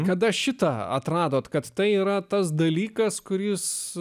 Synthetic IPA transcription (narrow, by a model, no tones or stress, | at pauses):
kɐd̪ɐʃʲɪt̪ɐɐ̰t̪ɾɑːd̪oːt̪kɐt̪t̪ɐɪiːɾɐt̪ɐs̬d̪ɐlʲiːkɐskʊɾʲɪs